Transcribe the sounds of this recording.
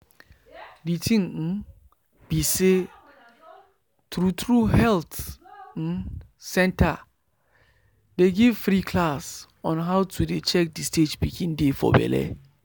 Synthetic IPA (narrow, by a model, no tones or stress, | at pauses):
ditʰĩŋ̩ | b̥ise | tɾutɹuhɛlt̩ | sɛ̃nta | deɡiv̥fɾikʰlas | ɔ̃nɦawtʰudet͡ʃɛk̚disted͡ʒpikʰĩndefɔ̰bɛ̰lɛ̰